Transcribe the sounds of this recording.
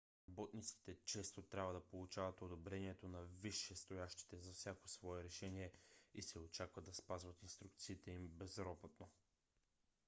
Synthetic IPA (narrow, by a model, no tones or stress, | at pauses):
ɾɐbɔt̪nit̪si̥t̪ɛt͡ʃɛst̪ot̪ɾʲabvəd̪ɐpolˠut͡ʃavɐt̪od̪obɾɛniɛt̪onɐviʃːɛst̪ojaʃt̪i̥t̪ɛzɐfsʲjakosvɔɛɾɛʃɛniɛisɛot͡ʃakvəd̪ːɐspazvɐt̪inst̪ɾuk̚t̪siːt̪ɛimbɛzɾɔbot̪no